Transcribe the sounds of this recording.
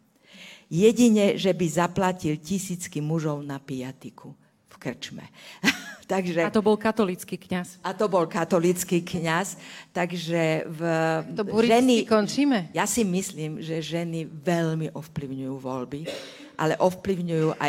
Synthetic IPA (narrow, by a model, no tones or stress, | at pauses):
jɛɟiɲɛʒɛbizaplacilcisiːt͡skimuʒɔʊnapijat̪ikʰu | fkr̩t͡ʃmɛ̰ | t̪aɡʒɛt̪ɔbɔlkat̪ɔlit͡skiːkɲasat̪ɔbɔlkat̪ɔlit͡skiːkɲast̪aɡʒɛv | uɾiʒɛnikɔnt͡ʃiːmɛjasimisliːmʒɛʒɛniʋɛʎmiʔɔfpliʊɲujuːʋɔlbi | ʔa̰lɛʔɔfpliʊɲujuːʔa